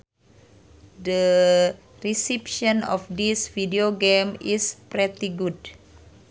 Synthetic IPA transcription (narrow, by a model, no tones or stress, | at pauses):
də | risɛpʃɔnɔfdisfideoɡemispɾɛt̪iɡud̚